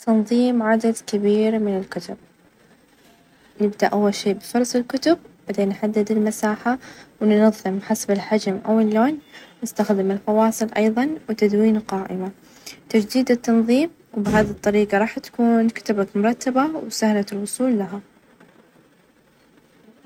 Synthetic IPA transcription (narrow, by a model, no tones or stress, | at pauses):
t̪ʰɑnðˤiːmʕad̪ad̪kabiːɾmɪnɪlkʊt̪ʊb̚ | nɪbd̪aʔawːalʃeːʔbɪfʊɾˤɑsˤɪlkʊt̪ʊb̚baʕd̪eːnːħad̪ːɪd̪ɪlmasaːħawnnɑðˤːɨmħasabɪlħad͡ʒamʔawalːoːnnɪst̪axd̪ɪmɪlfɑwɑːsˤɨlʔɑjðˤɑnwt̪ad̪wiːnqɑːʔɪ̰ma | t̪ad͡ʒd̪iːd̪ɪt̪ːɑnðˤiːm | wbɪɦaːðit̪ˤːɑɾiːqɑɾˤɑːħt̪ḁkuːnkʊ̥t̪abakmʊɾˤɑt̪ːabawsahlat̪lwʊsˤuːlːaɦa